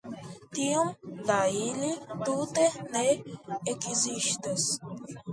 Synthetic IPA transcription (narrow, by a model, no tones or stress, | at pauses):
t̪iumd̪ailit̪ut̪eneekiziʃt̪es